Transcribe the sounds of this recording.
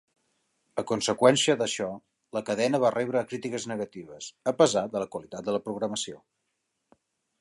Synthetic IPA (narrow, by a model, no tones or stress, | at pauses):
əkunsəkwɛnsiəðəʃɔ | ləkəðɛnəβ̞arʔɛβɾəːkɾit̪ikəznəɣət̪iβ̞əsəpəzad̪ələkwəlit̪at̪̚d̪ələpɾuɣɾəməsio